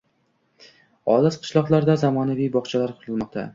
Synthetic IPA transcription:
ɒlˠasqʰɨ̥ʃlˠɒqlˠaɾd̪azamɒnavijbɒχt͡ʃʰalaɾqʰʊɾɨlˠmɒq̚t̪ʰa̰

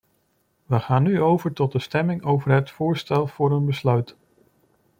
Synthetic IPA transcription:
ʋəχaːnːyowvəɹtɔt̚dəstɛmɪŋowvəɹɦətfʊːɹstɛlˠv̥ʊːɹənbəslœɥt

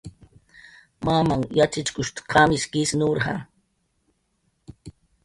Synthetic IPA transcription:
mamaŋjat͡ʃɪt͡ʃkʊʃt̪kʰamɪskɪsnʊɾhɑ̰

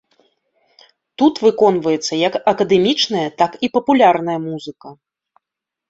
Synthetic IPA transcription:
t̪ut̪vɨkɔn̪vɐjɛt̪sːɐjɐkɐkɐd̪ɛmʲit͡ʂnɐjɐt̪akipɐpulʲarnɐjɐmuzɨkɐ

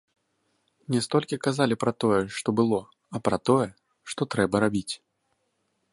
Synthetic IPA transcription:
nʲɛst̪ɔlʲkʲikazalʲipɾɐt̪ɔjɛʂt̪ɔbɨlˠɔ | ɐpɾɐt̪ɔjɛ | ʂt̪ɔt̪ɾɛbɐɾabʲit͡sʲ

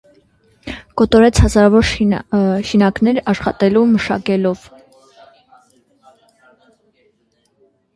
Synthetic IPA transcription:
kɔt̪ɔɾɛt͡sʰhɑzɑɾɑvɔɾ | ʃinɑknɛɾɑʃχɑ̰t̪ɛluməʃɑ̰kɛlɔv

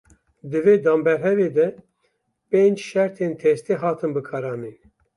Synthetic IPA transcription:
d̪ɨveːd̪ɑːmbɛɾɦɛveːd̪ɛ | peːnd͡ʒʃɛɾt̪ʰeːnt̪ʰɛst̪eːɦɑːt̪ʰɨnbɨkʰɑːɾɑːniːn

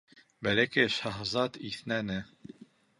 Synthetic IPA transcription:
bælækɘʃɑɦzɑt̪iθnænɘ

